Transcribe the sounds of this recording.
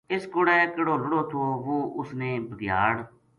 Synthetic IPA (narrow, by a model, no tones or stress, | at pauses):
ɪskʊɽɛːkəɽoːlʊɽoːt̪ʰoːʋoːʊsneːbəɡja̰ːɽ